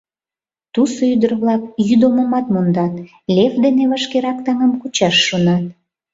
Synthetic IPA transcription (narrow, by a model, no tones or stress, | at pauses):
t̪usoyd̪ərβlɑkjyd̪oməmɑt̪mond̪ɑt̪ | lʲevd̪eneβəʃkeɾɑkt̪ɑŋəmkut͡ɕɑʃːonɑt̪̚